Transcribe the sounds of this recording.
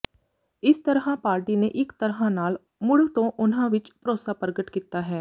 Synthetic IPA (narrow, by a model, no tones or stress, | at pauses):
ɪst̪əɾɦãpaːɾʈineʔɪkt̪əɾɦãnaːl | mʊɽt̪õʔʊnɦãʋɪt͡ʃpɾoːsapəɾɡəʈkiːt̪aːɦɛː